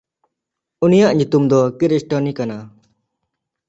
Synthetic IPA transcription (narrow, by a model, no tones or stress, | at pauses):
unijaʔɲut̪umd̪ɔkiɾisʈɔnikana